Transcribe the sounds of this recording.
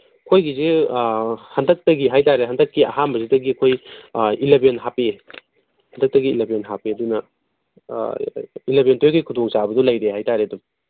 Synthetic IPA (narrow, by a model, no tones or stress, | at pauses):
kʰojɡize | hɐndɐk̚tɐɡiɦajtaɾeɦɐndɐkːia̰ɦambɐzidɐɡiɐkʰojilebenɦape | hɐndɐk̚tɐɡiːlebenɦapiɐdunɐ̰ | ilebentʰojɡɐjkʰudoŋsabɐdɔlɐjɾehajtaɾedu